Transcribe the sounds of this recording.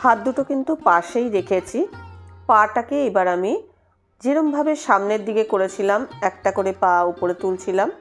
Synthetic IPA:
hat̪̚d̪uʈokint̪upaʃejɾekʰet͡ɕʰipaʈakeejbaɾami | d͡ʑeɾombʱabeʃamneɾd̪iɡekoɾet͡ɕʰilamɛk̚ʈakoɾepãupoɾet̪ult͡ɕʰilam

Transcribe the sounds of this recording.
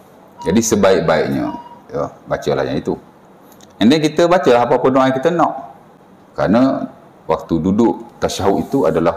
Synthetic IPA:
d͡ʒadisəbaɪʔ̚baiʔɲə̰̃jəbat͡ʃəla̰hɲã̰it̪u | andɛkit̪əbat͡ʃəlaɦapapənoãjkit̪ənɔʔ | kəɾana | wak̚t̪ududʊʔt̪aʃaɦuʔit̪uadalah

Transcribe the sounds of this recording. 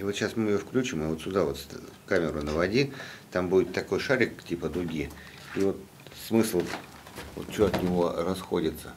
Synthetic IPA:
ɪvot̪ɕasmɨɪjofklʲʉt͡ɕɪmɨvo̞t̪sʲʊd̪avo̞t̪skamʲɪɾʊnəvɐdʲit̪ambudʲɪt̪ːɐko̞jʂaɾʲɪk̚tʲipəd̪ʊɡʲi | ivo̞t̪ | smɨslˠ | vo̰t̪t͡ɕoɐt̪nʲɪvo̞rɐsxo̞dʲɪt̪sə̥

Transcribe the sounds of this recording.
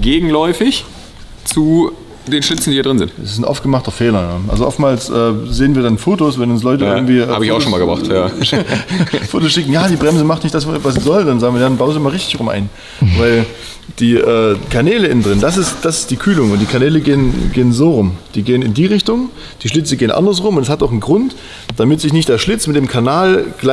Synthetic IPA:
ɡ̥eːɡŋ̩lɔʏfɪç | t͡su | d̥eːnʃlɪt͡sn̩diːhiːɐdʁɪnzɪ̰ntdɛsɪsn̩ʔɔ̰ftɡ̥əmaχtɐfeːlɐjaːʔa̰lzoʔɔftmaːlsʔɛːz̥eːənviːɐdanfoːtosvɛnʊns̬lɔʏtəɪɐŋ̩tv̥iːʔɛaːbəɪçaʊʃoːnmaːlɡəbʁa̰χtjaː | foːtosʃɪkŋ̩jaːdiːbʁɛmzəmaχtnɪçtd̥as̬vas̬z̥iːzɔldanzaːɡŋiːɐjaanbaʊnzimalʁɪçtɪçʁʊmʔa̰ɪn | vaɪl | d̥iːʔɛːkʰanɛːləɪndʁɪndas̬ɪstd̥asɪ̥std̥iːkʰyːlʊŋʊnt̚d̥iːkʰaɐnɛːləɡeːənɡeːənzoːʁʊmd̥iːɡeːənɪndiːʁɪçtʊŋ | d̥iːʃlɪt͡səɡeːənʔa̰ndɐs̬ʁʊmʊntɛshataʊxnɡʁʊnt | d̥amɪtz̥ɪçnɪçtd̥eːɐʃlɪt͡smɪtd̥eːmkʰanaːlɡ̥la

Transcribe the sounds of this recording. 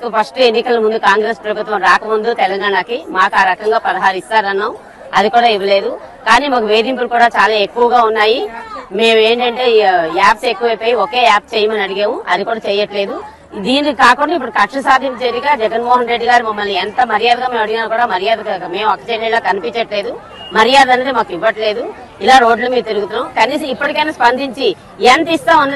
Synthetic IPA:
kupʰɐsʈuenːikɐlɐmund̪ukaːŋɡɾespɾɐbut̪ʋɐmɾaːkɐmund̪ut̪ɛlɐŋɡaːɳakimaːkaːɾɐkɐŋɡaːpɐɾɐɦaːɾist̪aːɾɐnːaːm | ɐd̪ikuːɽaːiʋɐle̞ːd̪ukaːniːmaːkuʋe̞ːd̪impulukuːɽaːt͡ʃaːlaːe̞kːuʋɐɡaːunːaːjime̞ːme̞ːɳʈɐɳʈe̞ːjaːpse̞kːuʋɐjpoːjioke̞ːaːp̚t͡ʃeːjɐmɐnɐɽiɡeːʋuɐd̪ikuːɽaːt͡ʃɛːjɐʈle̞ːd̪u | d̪iːnikkaːkuɳɖaipːuɽukɐkʂɐsaːd̪ʱint̪ɐd͡ʒɐɾiɡaːd͡ʒɛɡɐnmoːɦɐnɾe̞ɖːiɡaːɾumɐmːɐlnːiɛnt̪ɐmɐɾijaːd̪ɐɡaːmeːmɐɽiɡaːnɐkuːɽaːmɐɾijaːd̪ɐme̞ːmɐkːɐt͡ʃeːɐlaːkɐnipiɲt͡ʃɐʈle̞ːd̪u | mɐɾijaːd̪ɐnːed̪imaːkuiʋːɐʈle̞ːd̪u | ilaːɾo̞ːɖlumiːɾut̪iɾuɡut̪unːaːmkɐniːsɐipːɐʈikɐjnɐspɐnd̪ʱiɲt͡ʃi | ent̪ist̪aːɐnː

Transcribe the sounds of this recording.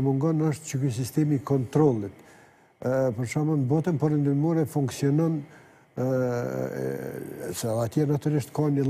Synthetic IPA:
muŋɡɔnəʃt̪t͡ʃəkys̬ist̪ɛmikɔnt̪ɾɔlˠit̪ | pəɾʃamənbɔt̪ənpɔɾɛnd̪immuɾɛfuŋksiɔnɔn | sɛlat̪ianat̪yɾiʃt̪kanə

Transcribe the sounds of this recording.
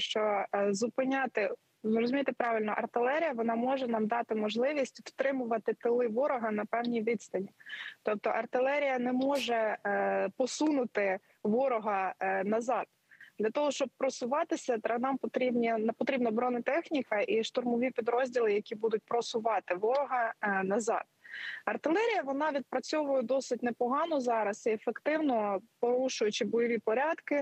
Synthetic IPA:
ʃt͡ʃɔzʊpɪnʲɑt̪ɪ | rɔzʊmʲijt̪ɪpɾɑʋɪlʲnɔʔɐrt̪ɪlˠɛɾʲijɐʋɔnɑmɔʒɛnɑmd̪ɑt̪ɪmɔʒlˠɪʋʲisʲtʲft̪ɾɪmʊʋɐt̪ɪt̪ɪlˠɪʋɔɾɔɦɐnɐpɛwnʲijʋʲid̪st̪ɐnʲit̪ɔp̚t̪ɔʔɐrt̪ɪlˠɛɾʲijɐnɛmɔʒɛ | pɔsunʊt̪ɪ | ʋɔɾɔɦɐnɐzɑd̪̥̚ | d̪̥lʲɐt̪ɔɦɔʃt͡ʃɔb̚pɾɔsʊʋɑt̪ɪsʲɐt̪ɾɐnɑmpɔt̪ɾʲibnʲipɔt̪ɾʲibnɐbɾɔnɪt̪ɛxnʲikɐʔiʃt̪ʊrmɔʋʲipʲid̪ɾɔzʲdʲilˠɪjɐkʲibud̪ʊt̚ʲpɾɔsʊʋɑt̪ɪʋɔɾɔɦɐnɐzɑ̰d̪̥ɐrt̪ɪlˠɛɾʲijɐʋɔnɑʋʲid̪̚pɾɐt͡sʲɔʋʊjɛd̪ɔsɪt̚ʲnɛpɔɦɑnɔzɑɾɐsiefekt̪ɪwnɔpɔɾuʃʊjʊt͡ʃɪbɔjɔʋʲipɔɾʲɑd̪kɪ

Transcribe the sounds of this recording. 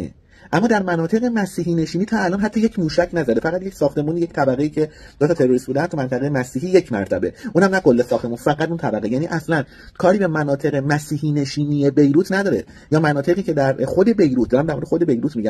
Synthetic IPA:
ḛ | ʔæmːɒːd̪æɾmænɒːt̪ʰe̞ɣe̞mæsiːɦiːne̞ʃiːniːt̪ʰɒːælɒːnɦæt̪ʰːɒːje̞cʰmuːʃæcʰnæzæd̪e̞fæʁæt̪jecʰʲsɒːxt̪e̞muːniject̪ʰæbæɣe̞iːcʰe̞d̪ot̪ʰɒːt̪ʰe̞ɾoɾisbuːd̪ænt̪ʰumænt̪ʰæɣe̞jemæsiːɦiːje̞cʰmæ̰ɾt̪ʰæ̰be̞̰ʔuːnhæmnækʰo̞lːesɒːxt̪e̞munfæɣæt̪uːnt̪ʰæbæɣejæːniːʔæslæn | kʰɒːɾiːbe̞mænɒːt̪ʰe̞ʁemæsiːhiːne̞ʃiːnije̞bejɾuːt̪næd̪ɒːɾe̞̰ | jɒːmænɒːt̪ʰe̞ɣiːcʰe̞d̪æɾxo̞d̪e̞be̞jɾut̪̚d̪ːɾæmd̪æɾmoɾd̪exod̪ebejɾuːt̪miːɟæ

